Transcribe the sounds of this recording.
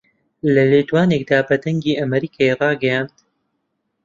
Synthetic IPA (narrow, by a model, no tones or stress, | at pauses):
lɐleːt̪waːnek̚d̪aːbɐd̪ɐŋɡiːʔɐmɐɾiːkʰaːerˤɑːɡɐjaːnd̪̥